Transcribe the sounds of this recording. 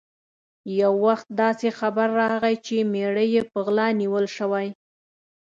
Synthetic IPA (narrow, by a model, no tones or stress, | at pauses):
jawːaxt̪̚d̪ɑsexabaɾːɑɣajt͡ʃemeɽəjepəɣlɑniwəlʃəwaj